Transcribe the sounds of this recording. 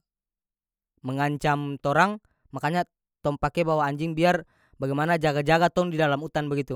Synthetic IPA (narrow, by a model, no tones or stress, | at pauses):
məŋaɲt͡ʃamt̪oɾaŋ | makaɲa | t̪ɔŋpakɛbawaːɲd͡ʒɪŋbiar | baɡajmanad͡ʒaɡad͡ʒaɡat̪ɔŋdidalamut̪anbəɡit̪u